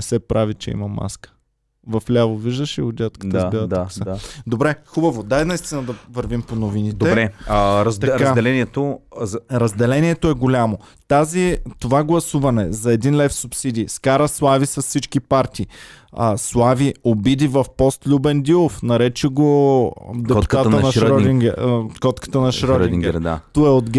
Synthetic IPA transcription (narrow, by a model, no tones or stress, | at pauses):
nɛsɛpɾavit͡ʃɛḭmɐma̰skə̥ | vɐflʲavoviʒd̪əʃiod̪ʲat̪kətd̪əzbɛvətd̪aksəd̪obɾɛxubɐvod̪anɐist̪inəd̪ɐvɐɾvimponovinitd̪ɛɾɛɾzt̪ɐɾkad̪ɛlɛniɛt̪o | ɾɐzd̪ɛlɛnʲiɛt̪oɛɡolʲamo | t̪azit̪ovaɡlˠɐsuvɐnɛzɐɛd̪inlɛfsupsid̪ʲiskaɾəslˠavisɐssit͡ʃkipaɾt̪ʲiːəslˠaviobid̪ivɐfpɔst̪lʲubɛnd̪ilˠofnɐɾɛt͡ʃɛɡo | d̪ɛut̪at̪ənɐʃɾɔd̪iŋɡɛkɔt̪kə̥t̪ənɐʃɾɔdiŋɡɛɾd̪a̰t̪uɛod̪ɡ